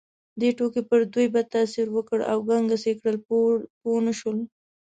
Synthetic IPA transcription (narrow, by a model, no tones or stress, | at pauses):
d̪eʈokepəɾd̪ujbad̪̚t̪asiɾwəkəɽa̰wɡaŋɡasekɽəlponəʃwəl